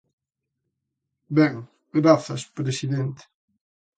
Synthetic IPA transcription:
bɛŋ | ɡɾaθɐspɾesiðent̪e̥

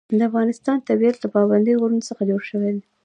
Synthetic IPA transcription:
d̪əafɣɑnɪst̪ɑnt̪abijat̪ləpɑband̪əjoɣoɾunosəxad͡ʒoɽʃəwed̪e

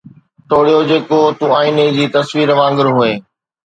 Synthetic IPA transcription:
ʈ̪oːɽijod͡ʑeːkot̪ũaːiːned͡ʑiːt̪ɐsʋiːɾʋãːŋɡɪɾɦʊeː

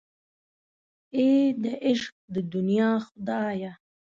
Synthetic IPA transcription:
eːd̪aʔɪʃq̚d̪əd̪unijɑːxʊd̪ɑːja

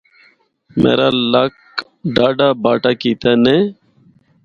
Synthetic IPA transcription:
mʔḛːɾaːlak | ɖaːɖaːbaːʈaːkiːt̪ʰaːneː

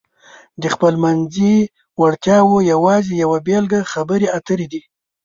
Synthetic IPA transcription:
d̪əxpəlmanzi | waɽt̪jɑwojawɑzejawabelɡaxabəɾeat̪əɾed̪i

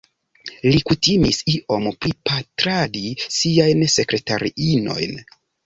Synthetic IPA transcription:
likutimisiʔo̞mpɾipatɾadisiajnse̞kɾe̞taɾḭʔino̞̰jn

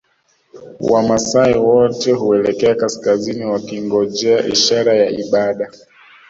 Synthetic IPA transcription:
wʔamasaiwɔtɛɦuɛlɛkɛakaskaziniwakiŋɡɔd͡ʒɛaʔḭʃaɾajaiɓaɗa

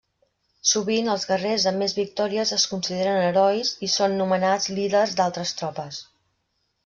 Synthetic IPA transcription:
suβiŋəlˠzɣərezəmːezβik̚t̪ɔɾiəzəskunsiðeɾənəɾɔjzisonːumənad͡zliðərzd̪alˠt̪ɾəst̪ɾɔpəs

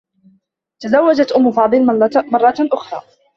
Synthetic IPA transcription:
t̪azawːad͡ʒat̪ʔʊmːʊfɑːd̪ˤɨlmɑrˤːɑt̪ʔʊxɾˤɑ̰ː

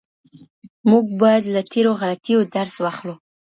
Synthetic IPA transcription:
muɡ̚bɑjad̪lat̪ʰeɾoɣalat̪ijod̪aɾswaxlu

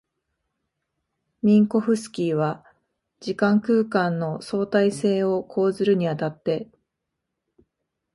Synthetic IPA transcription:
mʲĩŋko̞ɸɯ̟sɨ̥kʲiːβa | d͡ʑikãŋkɯ̟ːkãnːo̞so̞ːt̪aise̞ːo̞kʰo̞ːzɨɾɯ̟ɲ̟iat̪at̪ːe̞

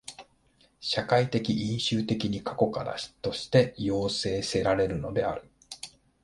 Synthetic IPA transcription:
ɕakait̪e̞kʲiʔĩɰ̃ɕɨːt̪e̞kʲiɲ̟ikḁko̞kaɾa̰̥t̪o̞ɕi̥t̪e̞jo̞ːse̞ːse̞ɾaɾe̞ɾɯ̟no̞̰d̪e̞a̰ɾɯ̟

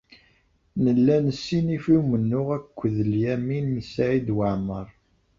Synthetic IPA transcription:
nəlːænəsːinifiwmənːʊʁækʷːəðəljæminməsaʕid̪wəʕməɾˤ

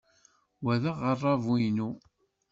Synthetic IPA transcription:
wæðəʁərˤːɑvwijnu

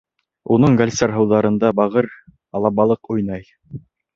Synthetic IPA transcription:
unɤɴɡalʲsɑɾɦɤ̆wðɑɾɤ̆nd̪ɑbɑʁɤɾ | ɑlˠɑβɑlˠɤqujnɑj

